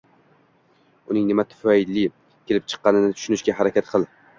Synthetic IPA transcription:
ʊnɪŋnɪmat̪ʰʊ̥faɪlːɪ | kʲʰelɪp̚t͡ʃʰɨ̥qːɑnɪnɪt̪ʰʊ̥ʃʊnɪʃkʲaɦaɾakʲʰat̪qʰɨlˠ

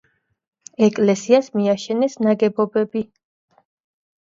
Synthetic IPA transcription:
ɛkʼlɛsiasmiaʃɛnɛsnaɡɛbɔbɛbi

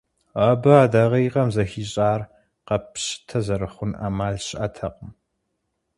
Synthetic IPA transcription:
ɐbɐaːdaʁɐjʁɐmzɐxiːɕʼaːr | qɐpɕɪ̥tʰɐzɐɾɨχʷʊna̰ːmaːɮɕɪʔɐtʰɐqʼəm

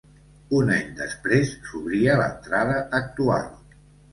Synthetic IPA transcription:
unaɲd̪ə̰spɾesːuβɾiələ̰nt̪ɾaðəːk̚t̪ua̰lˠ

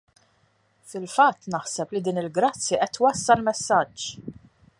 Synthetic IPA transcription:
fɪlfɐt̪ːnɐħsɛplid̪iːnɪlɡɾɐt͡sːjɛʔɛt̪ːwɐsːɐlmɛsːɐd͡ʒː

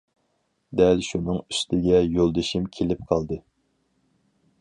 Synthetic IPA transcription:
d̪ɛlʃunɨŋyst̪ʰɪɡʲɛjolˠd̪ɨʃimkʲʰelɪp̚qʰɑlˠd̪ɨ

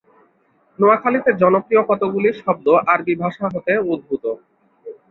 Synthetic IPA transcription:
noakʰalit̪eɾd͡ʑɔnopɾiokɔt̪oɡuliɾʃɔb̚d̪oʔaɾbibʱaʃaɦot̪eod̪̚bʱut̪o

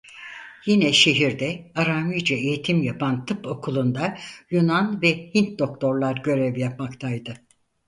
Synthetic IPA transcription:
jinɛʃe̞ɦiɾd̪ɛaɾaːmijd͡ʒaejit̪ʰimjapant̪ʰɯpo̞kʰulˠund̪ajunanvɛhint̪̚d̪o̞k̚t̪ʰo̞ɾlˠaɾɟø̞ɾɛvjap̚makt̪ʰajd̪ɯ

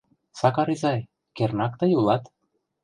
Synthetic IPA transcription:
sɑkɑɾizɑj | kernɑkt̪ɤjulˠɑt̪

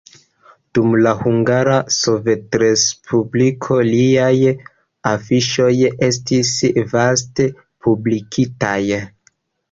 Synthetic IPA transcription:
d̥umlahuŋɡaɾaso̞ve̞tɾe̞spʰublikʰo̞liaj | afiʃo̞je̞stisvaste̞ | publikʰitaj

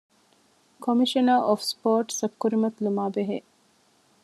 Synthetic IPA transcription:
kʰomiʃɐnaːʔofspoːʈsɐkːuɾimɐt̪lumaːbeɦe

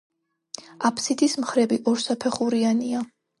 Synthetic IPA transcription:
apʰsid̪ʰismχɾɛbiʔɔɾsapʰɛχuɾiania

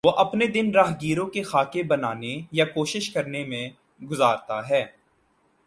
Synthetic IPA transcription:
ʋoʔɐpned̪ɪnɾaːɦɡiːɾõkexaːkebɐnaːnejakoːʃɪʃkɐɾnemẽ | ɡʊzaːɾt̪aɦɛː

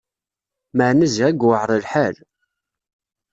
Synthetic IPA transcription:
məʕnəzæɡwəʕɾˤəlħæl

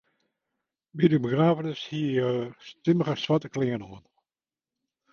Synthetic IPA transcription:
bidəbəɡraːvənəshiəstɪməʁəsʋatəklɪŋənoən

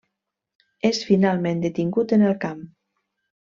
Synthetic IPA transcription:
esfinalˠmẽnd̪et̪iŋɡut̪ənəlˠkam

